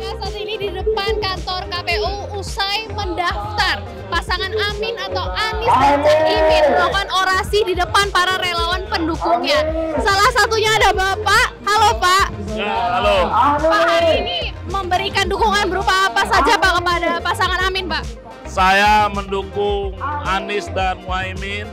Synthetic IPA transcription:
asat̪inididəpankant̪ɔrkapeu | usajməndaft̪ar | pasaŋanamɪnat̪awʔanɪsdat͡ʃakimɪnɾakanoɾasididəpanpaɾaɾelawanpəndukuŋɲasalahsat̪uɲaːdabapaʔhalopaʔ | aalopakaɾiniməmbəɾikandukuŋanbəɾupaapasad͡ʒapaʔkəpadapasaŋanamɪnpaʔ | sajaməndukʊŋanɪsdanwaimɪn

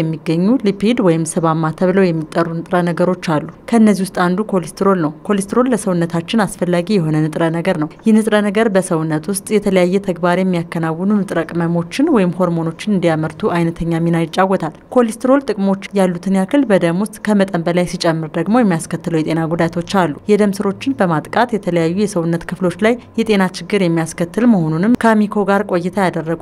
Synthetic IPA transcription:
ɛmːiɡəɲːulipʰid̪wɔjɪmsɨβamːat̪ʰəβləwjɛmːit̪ʼːərːunɨt̪ʼɾənəɡəɾo̞t͡ʃːalːukʰəɨnːəzihwʊst̪ʼand̪ukʰo̞list̪ʰɾo̞lnəwkʰo̞list̪ʰɾo̞lləsəwnːət̪ʰat͡ʃːɪnasfəlːaɡijɛɦo̞nənɨt̪ʼɾənəɡəɾnəwjɛnɨt̪ʼɾənəɡəɾbəsəwʊnːət̪wʊst̪ʼjɛt̪ʰələjajːɛt̪ʰəɡbaɾjɛmːijakːənawːənunɨt̪ʼɾəkʼməmo̞t͡ʃːɪnwɔjɪmho̞ɾmo̞no̞t͡ʃːɪnɨnd̪ijaməɾt̪ʰuʔajnət̪ʰəɲːamːinajt͡ʃʼːawːɔt̪ʰalkʰo̞list̪ʰɾo̞lt̪ʼɨkʼmo̞t͡ʃːjalːut̪ʰɨnjakʰɨlbəd̪əmwʊst̪ʼkʰəmət̪ʼəmbəlajsit͡ʃʼɛmːɨɾd̪əɡmo̞jɛmːijaskʰət̪ːɨləwjɛt̪ʼenaɡud̪at̪ʰo̞t͡ʃːalːujɛd̪əmsɨɾo̞t͡ʃːɪnbəmat̪ʼkʼat̪jɛt̪ʰələjajːujɛsəwunːət̪kʰɨflo̞t͡ʃːlajjɛt̪ʼe̞nat͡ʃɪɡːɨɾjɛmːijaskət̪ːɨlməho̞nunɨmkʰamikʰo̞ɡaɾkʼo̞jːɪt̪ʰajad̪ərːəɡu

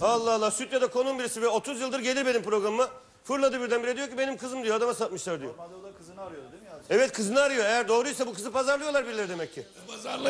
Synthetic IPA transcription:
alˠːaɦalˠːaːsyt̪jad̪akʰo̞numbiɾisivɛo̞t̪ʰuzjɯlˠd̪ɯɾɟe̞lʲiɾbe̞nimpɾoɡɾamɯma | fɯɾlˠad̪ɯbiɾd̪ænbiɾɛd̪ijo̞cʰibenimkʰɯzɯmd̪ijoad̪amasat̪̚mɯʃlˠaɾd̪ijo̰ | ɾ | ɛvɛt̪kʰɯzɯnɯaɾɯjo̞ejæɾd̪o̞ːɾujsabukʰɯzɯpʰazaɾlˠɯjo̞lˠaɾbiɾlʲeɾid̪e̞mɛcʰːi

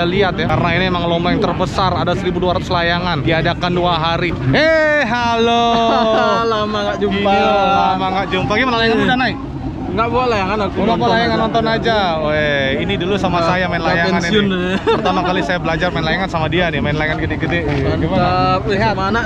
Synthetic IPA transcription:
aliat̪̚jakaɾənainiemaŋlɔmbɛŋt̪ərbəsaradasəɾibuduaɾat̪ʊ̥slajaŋandiadakanduaɦaɾi | eɦalo | lamaŋɡaʔd͡ʒumpaamaŋɡaʔd͡ʒumpaɡiməlaaŋamudahnaɪk̚ | ŋɡaʔboalajaŋanakmapəlajaŋanɔnt̪ɔnad͡ʒaweinidulusamasajamaɪnlajaŋaniiʊnpərt̪amakalisajabəlad͡ʒarmanlajaŋansamadianimaɪnlajaŋanɡidɪɡidɛɡimaaaliɦamana

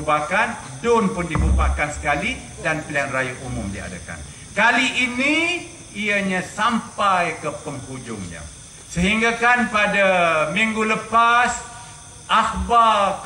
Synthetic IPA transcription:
bakan | dʊnpʊndibubakansə̥kali | danpəlianrajaumʊmdia̰daka̰n | kaliʔinĩ | iaɲãsampajkəpəmpud͡ʒʊŋɲã̰ | səɦiŋɡakanpadamiŋɡuləpas | ʔak̚ba

